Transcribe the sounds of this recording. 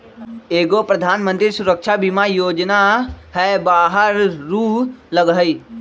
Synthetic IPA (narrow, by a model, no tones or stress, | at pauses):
eːɡopɾəd̪ʱaːnmə̃nt̪ɾisʊɾəkʃabɪmajoːd͡ʒnaɦɛbaːɦəɾːuːləɡɦəiː